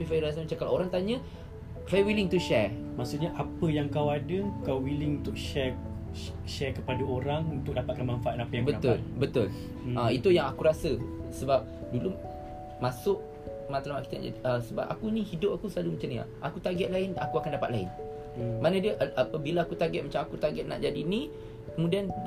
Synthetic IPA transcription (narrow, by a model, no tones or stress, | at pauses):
ifajɾas̬əmat͡ʃakala̰oɾaŋt̪aɲə̃ | klajwiliŋt̪uʃɛ | masuʔɲaʔapəjaŋkawadəkawwilɪŋunt̪ʊk̚ʃɛ | ʃɛkəpadaoɾaŋunt̪ʊk̚dapat̪̚kanmanfaʔatnapəjaŋbəat̪lbət̪ʊl | əit̪ujaŋakuɾasəsəbap̚dulu | mãsʊʔ̚ | mat̪alamaʔkit̪ana̰d͡ʒa̰diəsəba̰p̚a̰kunĩhidʊp̚akusəlalumat͡ʃanɲa̰ʔakut̪aɡɛʔ̪̚laɪna̰kuakandapat̪̚laɪn | manə̃dəʔʔapəbilaakut̪aɡɛt̪̚mat͡ʃamakut̪aɡɛʔ̪̚na̰ʔd͡ʒadinĩ | kəmudian